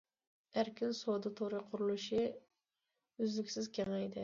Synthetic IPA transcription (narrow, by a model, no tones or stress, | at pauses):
æɾkʲɪnsod̪ɨt̪ʰoɾɨqʰʊɾulˠɨʃɪ | yzlɪkʲsɪzkʲʰeŋajd̪ɪ